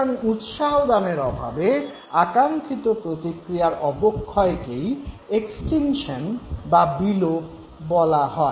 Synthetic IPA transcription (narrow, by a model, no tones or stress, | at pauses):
nut̪ʃaɦod̪ameɾɔbʱa̰be | akaŋkʰit̪opɾot̪ikɾijaɾɔbokʰːɔekej | eksʈinʃonbabilop | bɔlaɦɔe